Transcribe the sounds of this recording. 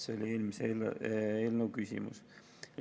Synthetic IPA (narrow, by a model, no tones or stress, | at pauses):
seolʲie̞ːlmiseeeːlnəwkysʲḭmṵs